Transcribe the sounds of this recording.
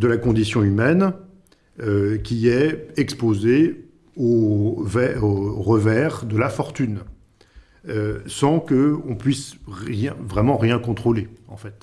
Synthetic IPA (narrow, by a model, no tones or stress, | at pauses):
d̪əlakɔ̃d̪isjɔ̃ymɛn | økʲiɛɛkspoze | ovɛoʁəvɛʁd̪əlafɔʁt̪yn | øsɑ̃kəɔ̃pɥisʁjɛ̃vʁɛmɑ̃ʁjɛ̃kɔ̃t̪χoleɑ̃fɛt̪